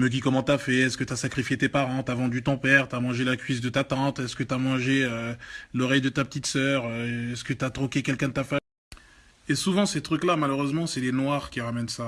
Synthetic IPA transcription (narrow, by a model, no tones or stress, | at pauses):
mək̬ikɔmɑ̃t̪yafɛɛskət̪yasakχifjet̪epaʁɑ̃t̪yavɑ̃d̪yt̪ɔ̃pɛʁt̪yamɑ̃ʒelakʲɥiz̬d̪ət̪at̪ɑ̃t̪ɛskət̪yamɑ̃ʒeølɔʁɛjd̪ət̪apət̪it̪sœːʁøɛskət̪yat̪χɔ̃kʲekʲɛlkʲɛ̃d̪ət̪afa | esuvɑ̃set̪χyklamaløʁøzmɑ̃sɛlenwaʁkʲiʁamɛnsa